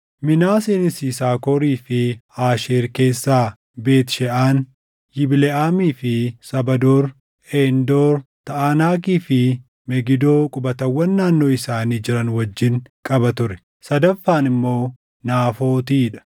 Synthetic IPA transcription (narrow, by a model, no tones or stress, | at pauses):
mɪnaːseːnɪsiːsaːkoːɾiːfɪaːʃeːɾke̞ːsːaː | be̞ːt̪ʃɛʔaːn | jɪbɪlɛʔaːmiːfɪsɐbɐd̪oːɾ | eːnd̪oːɾt̪ɐʔaːnaːk̬iːfɪ | mɛɡɪd̪o̞ːkʼʊbɐt̪ɐwːɐnːaːnːo̞ːɪsaːniːd͡ʒɪɾɐnwɐd͡ʒːɪŋkʼɐbɐt̪ʊɾɛ̥ | sɐd̪ɐfːaːnɪmːo̞ː | naːfo̞ːt̪iːᶑɐ̥